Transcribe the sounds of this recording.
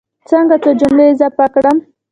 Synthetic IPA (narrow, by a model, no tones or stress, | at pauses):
t͡səŋɡat͡sod͡ʒʊmɽezəpakɽəm